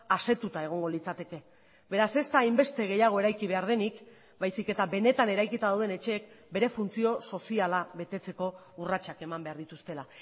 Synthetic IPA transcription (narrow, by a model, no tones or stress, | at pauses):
ase̞t̪ut̪ae̞ɣ̞o̞ŋɡo̞lit͡sat̪e̞ke̞ | be̞ɾase̞st̪aːjmbe̞st̪e̞ɣ̞e̞jaɣ̞o̞e̞ɾajkiβ̞e̞aɾð̞e̞nik | bajsike̞t̪abe̞ne̞t̪ane̞ɾajkit̪aðawð̞e̞ne̞t͡ʃe̞ːk̚be̞ɾe̞funt͡sio̞so̞sialaβe̞t̪e̞t͡se̞ko̞ | urat͡ʃake̞mambe̞aɾðit̪ust̪e̞la